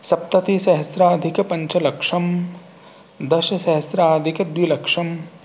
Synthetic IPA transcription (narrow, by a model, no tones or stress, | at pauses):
sɐp̚t̪ɐt̪iʃɐɦɐsɾaːd̪ʱikɐpɐɲt͡ʃɐlɐkʂɐm | d̪ɐʃɐʃɐɦɐsɾaːd̪ʱikɐd̪ʋilɐkʂɐm